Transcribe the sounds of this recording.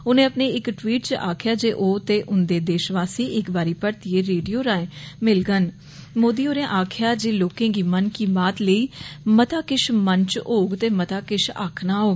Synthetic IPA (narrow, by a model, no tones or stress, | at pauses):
onẽːəpneːɪkʈʋiːʈt͡ʃaːkʰjaːd͡ʒeːʔoːt̪eːʔʊnd̪eːd̪eːʃʋaːsiːɪkbaːɾiːpəɽt̪ijeːɾeːɖijoːɾaːẽːmɪlɡən | moːd̪iːoːɾẽːʔaːkʰjaːd͡ʒeːloːkẽːɡiːmənkiːmaːt̪ləiːmət̪aːkɪʃmənt͡ʃoːɡt̪eːmət̪aːkɪʃa̰ːkʰnaːɦoːɡ